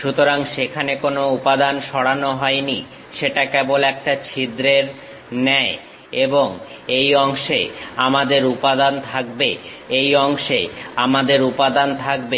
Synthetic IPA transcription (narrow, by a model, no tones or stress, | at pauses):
ʃut̪oɾaŋʃekʰanekonoupad̪anʃɔɽanoɦɔeni | ʃeʈakebolɛk̚ʈat͡ɕʰid̪ɾeɾ | nɛe | eboŋ | ejɔŋʃeamad̪eɾupad̪ant̪ʰakbe | ejɔŋʃḛamad̪eɾupad̪ant̪ʰak̚be